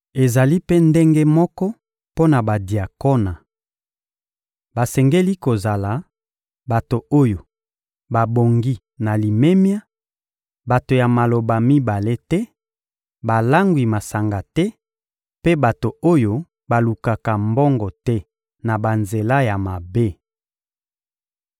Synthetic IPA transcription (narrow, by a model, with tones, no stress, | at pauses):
e˨za˨li˦pe˦nde˦ŋɡe˦mɔ˦kɔ˦ | po˦na˨ba˨di˨a˨ko˦na˨ | ba˨sɛ˨ŋɡe˦li˦ko˨za˨la˨ | ba˨to˨o˦jo˨ | ba˨bo˨ŋɡi˦ | na˨li˨me˦mja˦ | ba˨to˨ja˨ma˨lo˨ba˨mi˦ba˨le˦tɛ˦ | ba˨la˦ŋɡwi˨ma˨sa˨ŋɡa˨tɛ˦ | pe˦ba˨to˨o˦jo˦ | ba˨lu˨ka˨ka˨mbɔ˦ŋɡɔ˨tɛ˦ | na˨ba˨nze˨la˦ja˨ma˨be˦